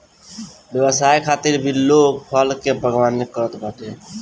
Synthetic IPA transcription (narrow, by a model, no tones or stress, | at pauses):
bjəbəsajkʰat̪iɾbʱilːok̚pʰəlkebʱəɡwanːekəɾət̪bʱət̪e